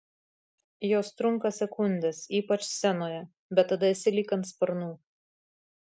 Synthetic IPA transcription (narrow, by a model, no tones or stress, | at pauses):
joːst̪ɾʊŋkɐsʲɛkʊnʲd̪ʲɛsiːpɐt͡ʃsʲɛnoːjɛ | bʲɛt̪ːɐd̪ɐɪsʲɪlʲiːkɐnt̪spɐɾnuː